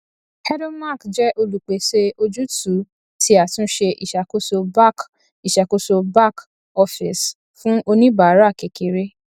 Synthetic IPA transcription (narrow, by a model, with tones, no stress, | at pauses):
hɛ˦ɾɔ̃˦ma˦˨kd͡ʒɛ˦ʔo˧lu˨k͡pe˨˦se˧o˧d͡ʒu˦tu˨˦ | ti˧˦a˨tũ˨˦ʃe˧ʔi˨ʃa˨ko˦so˧ba˦˨k | i˨ʃa˨ko˨˦so˧ba˦k | ɔ˧fi˨s | fũ˦ʔo˧nĩ˦ba˨˦ɾa˦˨ke˨ke˨˦ɾe˦